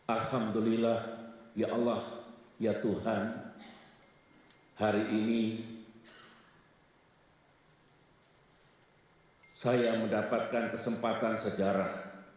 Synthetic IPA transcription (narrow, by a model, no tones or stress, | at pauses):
alhamd̪ulilahjaʔalːahjat̪uhan | haɾiʔini | sajaməndapat̪̚kankəsəmpat̪ansəd͡ʒaɾah